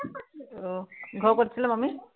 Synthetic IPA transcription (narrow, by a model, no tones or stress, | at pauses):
ɡʱɔɹkotisʰilamami